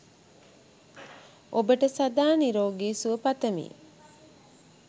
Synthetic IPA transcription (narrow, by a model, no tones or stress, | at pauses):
ʔobəʈəsad̪aːniɾoːɡiːsuəpɐt̪əmḭː